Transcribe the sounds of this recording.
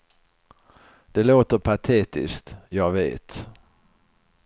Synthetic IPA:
d̪̥ɛloːt̪əɾpʰat̪ʰeːt̪ɪ̰skt̪jɑːɡveːt̪

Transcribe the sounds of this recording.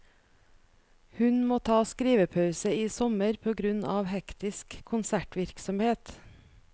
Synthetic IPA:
hʉnmoːt̪ʰɑːskɾiːʋəpʰɑʉsəiːsɔməɾpʰoːɡɾʉnɑːʋhɛkt̪ɪskʰːʊnsæʈʋɪɾksɔmheːt̪

